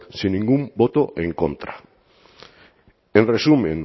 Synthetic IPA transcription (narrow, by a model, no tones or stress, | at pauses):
sinːĩŋɡumbot̪oʔeŋkõ̰nt̪ɾa̰ | ẽnresumẽŋ